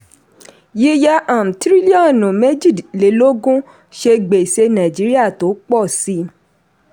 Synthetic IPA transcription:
ji˦ja˦ʔa˨m̩˨tɾi˦li˦ɔ̃˦˨nũ˨me˦d͡ʒi˦˨dle˨lo˦ɡũ˦ | ʃe˧ɡ͡be˨se˧nã˨d͡ʒi˨˦ɾi˦a˦˨to˨˦k͡pɔ˦˨si˨˦

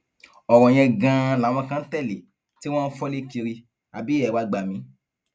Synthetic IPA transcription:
ɔ˨ɾɔ̃˨j̃ɛ̃˧ɡã˧la˨w̃ɔ̃˧kã˧n̩˦tɛ˦˨le˨ | ti˦w̃ɔ̃˦n̩˦fɔ˦le˦ki˧ɾi˧ | a˨bi˨˦ɛ˦˨wa˧˦ɡ͡ba˨mĩ˨˦

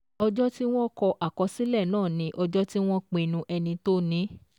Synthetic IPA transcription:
ɔ˧d͡ʒɔ˦ti˦w̃ɔ̃˦kɔ˧ʔa˨kɔ˧si˦lɛ˦˨nãː˦˨nĩ˨˦ʔɔ˧d͡ʒɔ˦ti˦w̃ɔ̃˦k͡pe˧˨˧nũ˧ʔɛ˧nĩ˧to˦nĩ˨˦

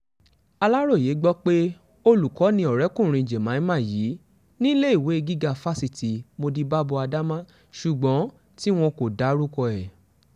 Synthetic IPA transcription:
a˧la˦ɾo˦˨je˨˦ɡ͡bɔ˦k͡pe˦ | o˧lu˨kɔ˨˦nĩ˧ɔ˨ɾɛ˨˦kũ˦˨ɾ̃ĩ˧˨d͡ʒe˨mã˨˦mã˦˨jiː˨˦ | nĩ˦le˦i˦˨we˨˦e˧ɡi˦ɡa˧fa˦si˧˨ti˨mo˧di˧ba˦bo˧a˧da˦mã˦ | ʃu˨ɡ͡bɔ̃˨˦ | ti˦w̃ɔ̃˧ko˨da˨˦ɾu˦kɔ˧ɛ˨

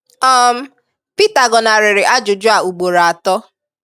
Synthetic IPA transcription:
ɔ˦m̩˦ | pi˦ta˨ɡɔ˨na˨ɾɪ˨ɾɪ˨ʔa˦d͡ʒʊ˨d͡ʒʊ˦a˨u˨ɡ͡bo˨ɾa˨a˨tɔ˦

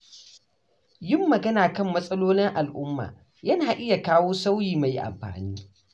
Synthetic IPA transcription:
jɪ˦mːɐ˨ɡɐ˦naː˨kɐ˦˨mːɐ˦sʼɐ˦loː˦lɪ˦ŋʔa˨lʔʊ˦mːa̰ː˨ | jɐ˦naː˨ʔɪ˦ja˨kaː˦woː˦sa˦wjiː˨ma˨jʔa̰˨mɸa̰ː˨niː˦

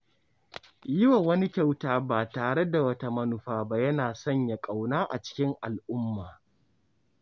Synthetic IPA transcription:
jɪ˦wa˨wɐ˦ni˦kʲa˦wtaː˦ba˦˨taː˨ɽe˦da˨wɐ˦ta˦mɐ˦nʊ˨ɸaː˦ba˦jɐ˦naː˨sɐ˦˨ɲja˨kʼa˨wnaː˦ʔa̰˨t͡ʃɪ̥˦kʲɪ˦ŋʔa˨lʔʊ˦mːaː˨

